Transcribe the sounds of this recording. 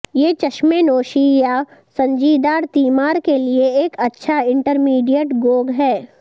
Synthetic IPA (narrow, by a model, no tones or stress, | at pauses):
jeːt͡ʃɐʃmenoːʃijasɐ̃ɲd͡ʒiːd̪aːɾt̪iːmaːɾkelieeːkɐtːʃʰaɪ̃ɳʈəɾmiːɖijəʈɡoːɡɦɛː